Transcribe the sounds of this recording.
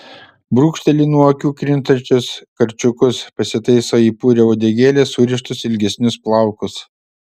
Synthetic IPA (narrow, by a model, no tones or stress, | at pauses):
bɾuːkʃʲt̪ʲɛlʲiːnuɔkʲuːkɾʲɪnt̪ɐnʲt͡ʃʲʊskɐɾʲt͡ʃʲʊkʊspɐsʲɪt̪ɐɪsoːiːpuːɾʲɛoːd̪ʲɛɡʲeːlʲeːsʊɾʲɪʃt̪ʊsɪlʲɡʲɛsʲnʲʊsplˠɑˑʊkʊs